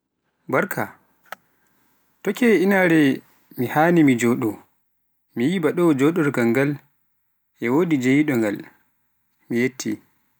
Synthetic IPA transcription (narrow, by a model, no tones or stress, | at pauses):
baɾkʰa̰ | tɔkɛinaɾɛ | mihaːnimid͡ʒɔɗɔ | mijibaɗɔd͡ʒɔɗɔɾɡaŋɡal | ʔɛwodid͡ʒejiɗɔŋɡa̰l | mijetʰːḭ